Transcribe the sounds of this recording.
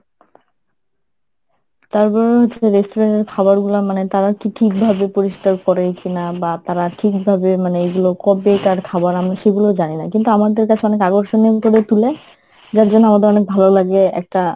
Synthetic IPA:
t̪aɾpɔɾeɦoeɾesʈoɾeɳʈeɾkʰabaɾɡulamanet̪aɾakiʈʰik̚bʱabepoɾiʃkaɾkɔɾekinabat̪aɾaʈʰikbʱabemaneeɡulokɔbejkaɾkʰabaɾamɾaʃeɡulod͡ʑaninakint̪uamad̪eɾkat͡ɕʰeɔnekaɡoɾʃonepoɾet̪ule | d͡ʑaɾd͡ʑonːoamad̪eɾɔnek̚bʱalolaɡeɛ̰k̚ʈa

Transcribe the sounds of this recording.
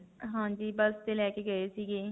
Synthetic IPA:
ɦãːd͡ʒiːbəst̪eːlɛːkeːɡəeːsiːɡeː

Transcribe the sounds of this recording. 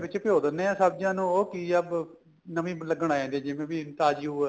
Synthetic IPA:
bɪt͡ʃpɪjoːd̪ənẽːãːsabd͡ʒãːnũːoːkiːəb | nəʋĩːləɡəɳaːɛ̃ːnd̪ẽːd͡ʒɪʋẽːʋiːɪnt̪aːd͡ʒjuː

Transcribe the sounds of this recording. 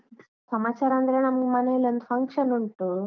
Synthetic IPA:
səmat͡ɕaɾãnd̪ɾañaməɡmanajlənt̪fəŋkʂənuɳʈ̪o

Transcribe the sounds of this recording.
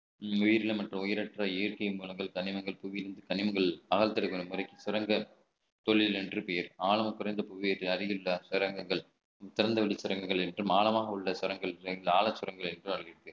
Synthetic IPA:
ʊjɪɾɪlɐmɐʈrɯmʊjɪɾɐʈraːeːɾkɐjmuːlɐŋɡɐɭkɐnɪmɐŋɡɐɭpʊʋɪjɪɾɯnd̪ɯkɐnɪmɐŋɡɐɭɐɣɐlt̪ːɐɽɯkːɐnɯmʊɾɐɪkːisʊɾɐŋɡɐ | t̪ɔɭːɪlɛndrɯpɛjɐɾaːlɐmɐkːʊɾɐɪnd̪ɐpʊʋɪjɐʈːɪlɐɾɪjɭːɐsʊɾɐŋɡɐŋɡɐɭ | t̪ɪɾɐnd̪ɐʋɪɽisʊɾɐŋɡɐŋɡɐɭɛndrɯmaːlɐmaːɣɐɯɭːɐsʊɾɐŋɡɐɭlaːɭɐsːʊɾɐŋɡɐɭɛndrɯmɐɭɪɽɯkːɯ

